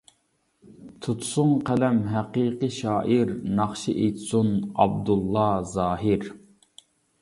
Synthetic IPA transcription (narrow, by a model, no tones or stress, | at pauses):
t̪ʰut̪ʰsʊŋqʰælɛmɦæqiːqəʃɑːʔiɾnɑχʃiʔejt̪sunɑ̰bd̪ulˠːɑzɑːɦɪɾ